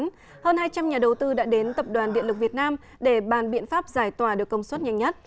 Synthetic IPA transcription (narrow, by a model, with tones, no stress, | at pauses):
n | həː˧nhaː˧jt͡ɕa˧mɲaː˨˩ɗə˨˩wt̪ɨ˧ɗa̰ː˧˥ɗe˨˦nt̪ə˨˩p̚ɗwaː˨˩nɗḭ˧əlɨ˨˩k̚vi˨˩ət̚naː˧m | ɗe˧˩ɓaː˨˩nɓḭ˧˨ənfaː˦˥p̚zaː˧˩jt̪waː˧˩ɗɨ˨˩əkːə˧wŋ͡mswə˦˥t̚ɲa˧˩jŋ̟ɲə˦˥t̚